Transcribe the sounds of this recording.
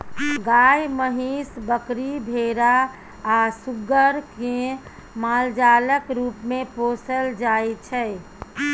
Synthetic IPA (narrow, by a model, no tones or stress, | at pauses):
ɡajməɦisbəkɾibʱeɾaː | suɡəɾke | mald͡ʒaləkɾupmeposəld͡ʒajt͡ʃʰə